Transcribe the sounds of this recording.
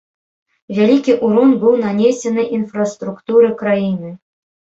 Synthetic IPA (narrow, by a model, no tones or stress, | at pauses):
vʲalʲikʲiʔuɾɔnbɨwnanʲesʲɛnɨʔinfrɐst̪ɾukt̪uɾɨkɾajinɨ